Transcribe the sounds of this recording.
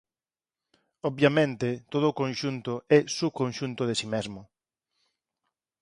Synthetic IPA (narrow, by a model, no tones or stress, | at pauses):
ɔβbjamẽnt̪ɪt̪oð̞ʊːkõnʃunt̪ʊɛsukõnʃunt̪ʊðesimezmʊ